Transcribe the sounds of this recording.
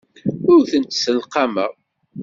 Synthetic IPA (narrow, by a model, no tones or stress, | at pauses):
ʊɾθənt̪səlqɑməʁ